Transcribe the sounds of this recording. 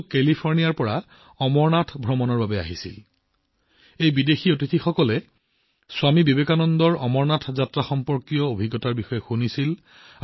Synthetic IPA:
kelipʰɔɹnijaɹpɔɹa | ɔmɔɹnatʰbʱɹɔmɔnɔɹbabɛa̰ɦisḭl | ejbidexiotitʰixɔkɔlɛ | swamibibekanɔndɔɹɔmɔɹnatʰzatɹaxɔmpɔɹkijɔobʱiɡɔtaɹbixɔjɛxunisil

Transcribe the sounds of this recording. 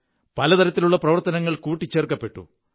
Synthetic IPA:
pɐlɐt̪ɐɾɐt̪ːiluɭːɐprɐʋɐrt̪ɐnɐŋːɐɭkuːʈːit͡ɕːe̞ːrkːɐpːe̞ʈːṵ

